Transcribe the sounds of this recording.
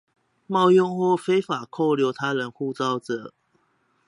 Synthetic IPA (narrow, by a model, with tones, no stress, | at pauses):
mɑ˥˨˧ʊjʊ˥˧ŋxwɔ˥˨˩fe˥ɪfa˨˩kʰo˥˨ʊljo˧˦ʊt̪ʰa˦˥ɻə˨˦nxu˥˧t͡sɑ˥˧ʊʈ͡ʂə˨˩˦